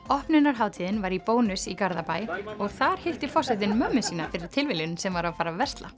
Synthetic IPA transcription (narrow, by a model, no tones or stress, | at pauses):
ɔhpnɪnaɾ̥ɦaːwt̪ʰiðɪnvaɾipoːwnʏsikaɾðapaːjɔɣθaɾ̥hɪht̪ɪfɔsɛt̪̬ɪnmœmːʏsiːnafɪɾɪɾ̥t̪ʰɪlvɪlɪnsɛmvaɾawfaːɾavɛr̥st̪la̰